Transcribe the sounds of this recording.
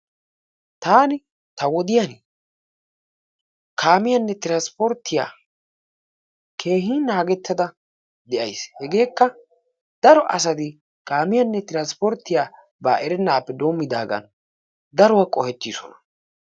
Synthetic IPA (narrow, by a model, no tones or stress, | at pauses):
t̪aːnɪ | t̪ɐwɔd̪ɪjan | kʰaːmɪjɐnːɛt̪ɪɾanspɔɾt̪ːɪja̰ː | kʰe̞ːɦiːnaːɡɛt̪ːɐd̪ɐ | d̪ɛʔɐjshɛɡe̞ːkːɐ | d̪̥ɐɾɔʔɐs̬ɐd̪ɪ | kaːmɪjɐnːɛt̪ɪɾanspɔɾt̪ːɪjaː | ba̰ːʔɛɾɛnːaːpːɛd̪oːmːɪd̪a̰ːɡɐ̰n | d̪ɐɾɔwakʼɔhɛt̪ːiːsɔ̰nɐ̥